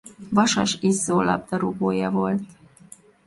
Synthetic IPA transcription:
vɒʃɒʃizːoːlɒ̰b̚d̪ɒɾuboːjɒvo̞lt̪

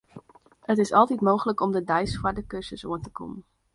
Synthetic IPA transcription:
hətɪsɑlˠtɛtmowχələkɔmdədɑjsfaːɹdəkɵsəsoːətəkɔ̰mə

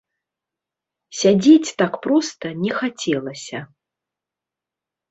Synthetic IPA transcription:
sʲad͡zʲet͡sʲt̪akpɾɔst̪ɐnʲɛxat͡sʲɛlˠɐsʲɐ

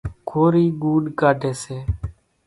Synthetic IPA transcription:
kʰoːɾiːɡuːɗkaːɖʱeːseː

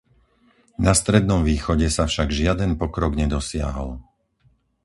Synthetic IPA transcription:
nast̪ɾɛd̪nɔmʋiːxɔɟɛsafʃaɡʒɪad̪ɛnpɔkɾɔɡɲɛd̪ɔsɪa̰ɦɔ̰l

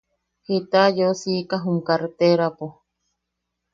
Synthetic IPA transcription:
hit̪ajosikaɦumkaɾt̪eɾapo

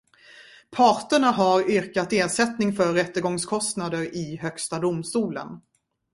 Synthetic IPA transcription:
pʰɑːʈəɳaɦaɾʏɾkat̪eːʂɛt̪nɪŋfœɾːɛt̪ːəɾɡɔŋskʰɔst̪nad̪əɾɪɦœkst̪ad̪ʊmst̪uːlə̰n

